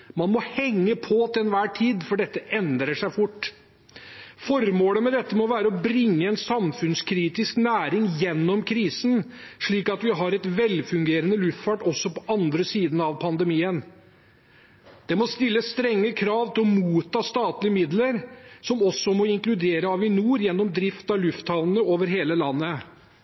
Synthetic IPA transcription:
mɑnmɔhɛŋːəpʰɔt̪ːɛnʋæːʈʰiːd̪fɔɖɛt̪ːəʔɛnd̪ɾəʂæɪfʊʈː | fɔɾmoːləmɛd̪ɛt̪ːəmɔʋæːɾəɔbɾɪŋːəɛnsɑmfʉnskʰɾiːt̪ɪsknæːɾɪŋjɛnːɔmkʰɾiːsn̩ | ʂɭiːkɑt̪ʋɪɦɑɾɛt̪ʋɛlfʉŋɡeːɾənəlʉft̪fɑːʈɔsːɔpɔʔɑnd̪ɾəsiːd̪ən̩ɑʋpʰɑnd̪əmiːən | d̪̥ɛmɔst̪ɪlːəst̪ɾɛŋːəkʰɾɑːʋt̪ʰɪlɔmuːt̪ʰːɑːst̪ɑːt̪lɪəmɪd̪ləɾsɔmɔsːɔmɔɪŋklʉd̪eːɾəɑʋɪnuːɾjɛnːɔmd̪ɾɪft̪ɑʋlʉft̪hɑlnəoːʋəɾɦeːləlɑnːə

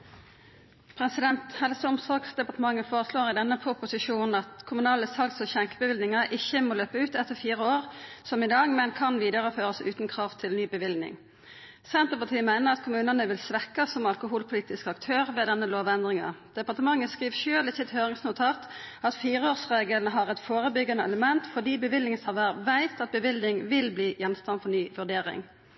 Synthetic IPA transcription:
pʰʁɛsɪd̪ɛnt̪hɛlsəʊmsɑksd̪ɛpɑʁt̪əmɑŋːəfoːʁəsloːʁɪd̪ɛnːəpʰʁʊpʊsɪʃuːnn̩ɑt̪kʰʊmʉnɑːləsɑlksɔçɛŋkəbəʋɪlnɪŋɑʔɪçəmoːløːpəʉːt̪ɛt̪ːəʁfiːʁəoːʁsɔmɪd̪ɑːɡmɛnkʰɑnʋiːd̪əʁəføːʁəsʉːt̪n̩kʰʁɑːʋt̪ʰɪlnyːbəʋɪld̪nɪ̰ŋ | sɛnt̪əʁpɑt̪ʰiːəmæɪnəʁɑt̪kʰʊmʉːnənəʋɪlsʋɛkːɑsɔmɑlkʊɦuːlpʰʊliːt̪ɪskɑkt̪ʰøːʁʋeːd̪ɛnːəloːʋɛnd̪ʁɪŋɑ̰d̪̥ɛpɑʁt̪əmɑŋːəskʁiːʋʃøːlɪçːət̪høːʁɪŋsnʊt̪ʰɑːt̪ɑt̪fiːʁəoːʁsʁeːɡəlnəɦɑʁɛt̪foːʁəbʏɡɑnəɛləmɛnt̪fɔʁd̪iːbəʋɪlɪŋəsʰɑʋəʁʋæɪt̪ɑt̪̚bəʋɪlnɪŋʋɪlbliːjɛnst̪ɑnfɔʁnyːʋʉʁɖ̪eːʁɪ̰ŋ

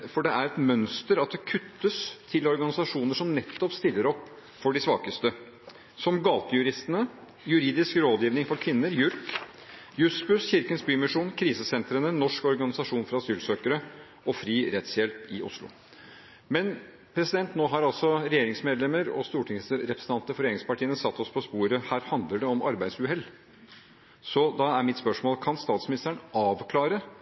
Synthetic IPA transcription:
fɔɖɛæɾɛt̪mœnst̪əɾɑt̪̚d̪ɛkʰʉt̪ːəst̪ʰɪlɔɾɡɑnɪsɑʂuːnəʂɔmnɛt̪ːɔpst̪ɪlːəɾɔpː | fɔɖɪsʋɑːkəst̪ə | sɔmɡɑːt̪əjʉɾɪst̪ənə | jʉɾiːd̪ɪskɾoːd̪jiːʋnɪŋfɔɾkʰʋɪnːəɾjʉɾk | jʉsbʉsçɪɾkənsbyːmɪʂuːnkʰɾiːsəsɛnt̪ɾənənɔʂkɔɾɡɑnɪsɑʂuːnfɾɑɑsyːlsøːkəɾə | ɔfɾiːɾɛt̪sjɛlt̪ɪʔʊ̰slʊ̰ | mɛn | pʰɾɛsɪd̪ɛnt̪noːɦɑɾɑlsɔɾɛjeːɾɪŋsmeːd̪lɛməɾɔ̰st̪uːʈʰɪŋsɾɛpɾəsn̩ʰɑnt̪əfɔɾeːɾɪŋspɑʈʰiːənəsɑt̪ʰːɔspʰɔspuːɾəhæːɾhɑnd̪ləɖɛɔmɑ̰ɾbæɪd̪sʉɦɛl | sɔd̪ɑæɾmɪt̪spœʂmoːlkʰɑnst̪ɑːt̪smɪnɪst̪əɳɑːʋkʰlɑːɾə

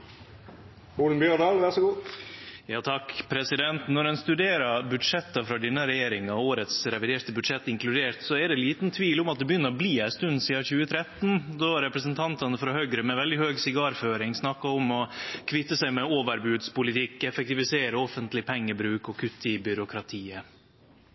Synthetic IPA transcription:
uːlnbjøːɖɑːlʋæsɔɡuː | jɑːt̪ʰɑkpʰɾɛsɪd̪ɛnt̪nɔɾɛnst̪ʉd̪eːɾɑɾbʉd̪ʂɛt̪ːɑfɾɑd̪ɪnːəɾɛjeːɾɪŋɑoːɾət̪sɾɛʋɪd̪eːʈ̪əbʉd̪ʂɛt̪ːɪŋklʉd̪eːt̪sɔɛɖɛliːt̪nt̪ʰʋiːlʊmɑt̪̚d̪ɛbəjʏnːəɾɔbliːæɪst̪ʉnsiːɑçʉːət̪ʰɾɛt̪nd̪ɔɾɛpɾəsənt̪ʰɑnt̪ɑnəfɾɑhœɡɾəmɛʋɛld̪ɪhøːɡsɪɡɑːɾføːɾɪŋsnɑkːɑɔmɔkʰʋɪt̪ːəsæɪmɛoːʋəɾbʉːd̪spʊlɪt̪ʰɪkːɛfɛk̚t̪ɪʋɪseːɾəɔfənt̪lɪpʰɛŋːəbɾʉːkɔkʰʉt̪ːɪbʏɾʊkʰɾɑt̪ʰiːə

